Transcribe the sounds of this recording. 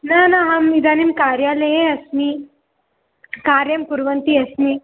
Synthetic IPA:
nanaɦamid̪ʱanimkaɾjaləjẽɐsmi | kaːɾjɐmkuɾʋənt̪iɐsmi

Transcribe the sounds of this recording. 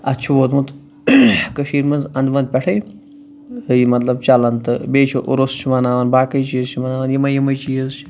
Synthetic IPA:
ɐ̰tt͡ʃʰiʋoːt̪mut̪ | kəʃiːɾmɐnzɐnd̪ʋɐnd̪̚pʲɛʈʰɐj | jimɐt̪lɐb̚t͡ʃɐlɐnt̪ɨbeːt͡ʃʰoʔuɾost͡ʃʰimɐnaːʋɐnbaːkɐjt͡ʃijizt͡ʃʰimɐnaːʋɐnjimɐjimɐjt͡ʃijɐzt͡ʃʰi̥

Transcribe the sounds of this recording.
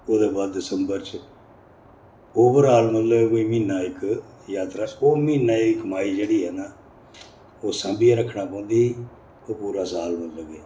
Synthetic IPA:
oːd̪eːbaːd̪ːɪsəmbəɾt͡ʃ | oːbəɾaːlmət̪ləkoiːmĩːnaːɪk | jaːt̪ɾaːoːmĩːnaːikəmaːiːd͡ʒeːɽiːɦɛːnaː | oːsə̃ːmbɪjaːɾəkʰːɳaːpə̃ːʊ̃nd̪iː | oːpuːɾaːsaːlmət̪ləɡeː

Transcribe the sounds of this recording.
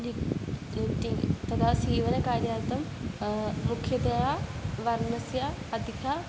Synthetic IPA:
ni | ʈiŋɡt̪ɐt̪ʰasiːʋɐnɐkaːɾjaːɾt̪ɐm | mukʰjɐd̪ɐɦaʋɐɾnɐsja | ɐd̪ʱikʰa

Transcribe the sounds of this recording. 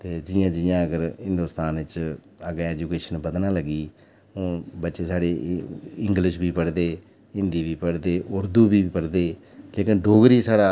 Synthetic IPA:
t̪eːd͡ʒɪjãːd͡ʒɪjãːəɡəɾɦɪ̃nd̪uːst̪aːnɪt͡ʃ | əɡɛːd͡ʒuːkeːʃənbəd̪nãːləɡiː | õːbətːʃeːsaːɽeːɪŋɡlɪʃbiːpəɽd̪eː | ɪ̃nd̪iːbiːpəɽd̪eːʔʊɾd̪uːbiːpəɽd̪eː | leːkɪnɖoːɡɾiːsaːɽaː

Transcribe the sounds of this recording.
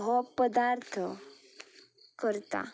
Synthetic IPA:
ɦɔpəd̪aɾt̪ʰ | kəɾt̪a̰

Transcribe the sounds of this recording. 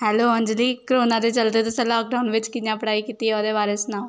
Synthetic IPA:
hɛːloːə̃nd͡ʒliːkɾoːnãːd̪eːt͡ʃəlt̪eːt̪ʊsɛ̃laːk̚ɖaːʊnʋɪt͡ʃkɪnãːpəɽaːikiːt̪iːɦɛoːd̪eːʋaːɾesʊnaː

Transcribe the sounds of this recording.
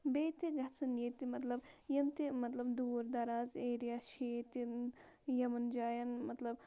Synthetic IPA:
beːt̪iɡɐt͡sʰɐnet̪imɐt̪lɐbjɐmt̪imɐt̪lɐbd̪uːɾd̪ɐɾaːzeːɾijaːʃeːt̪in | jɐmɐnd͡ʒaːjɐnmɐt̪lɐb

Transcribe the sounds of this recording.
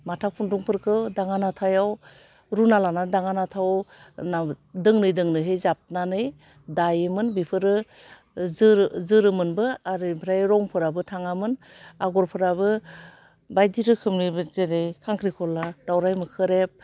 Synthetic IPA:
matʰak̚pʰuntuŋpʰɯɾkʰɯdaŋanatʰajaw | ɾunalanadaŋanatʰawnadɯŋnɯjdɯŋnɯɦejzap̚nanɯj | dajɯmɯnbipʰɯɾɯ | zɯɾzɯɾɯmɯnbɯaɾɯpʰɾajɾɔŋpʰɯɾabɯtʰaŋamɯn | aɡɔɾpʰɯɾaβɯ | bajdiɾɯkʰɯmnɯbɯzeɾejkʰaŋkʰɾikʰɔladawɾajmɯkʰɯɾep̚

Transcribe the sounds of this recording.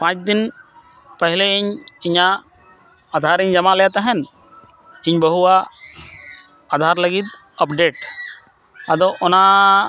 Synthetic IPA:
pãt͡ʃd̪in | pəɦileiɲiɲaː | d̪ʱaɾiɲd͡ʒamalɛjat̪ɛɦɛn | iɲbəɦua | d̪ʱaɾləɡit̪̚ | ɔpɖeʈ̚ | ad̪ɔʔɔna

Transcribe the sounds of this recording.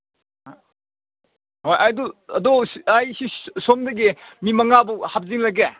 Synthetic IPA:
hojʔajdɔɐdɔsajsisomdɐɡimimɐŋabuhap̚ziŋlaɡe

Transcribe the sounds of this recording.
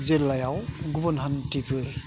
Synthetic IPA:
zelːajawɡubɔnɦantipʰɯɾ

